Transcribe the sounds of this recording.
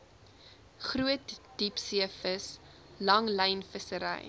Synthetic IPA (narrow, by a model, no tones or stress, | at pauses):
χruətd̥ipsiəfəs | lɐŋlɛjnfəsəɾɛ̰j